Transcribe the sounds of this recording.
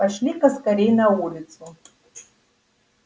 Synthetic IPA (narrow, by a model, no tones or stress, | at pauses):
aʂlʲikaskaɾʲejnaulʲit͡sʰu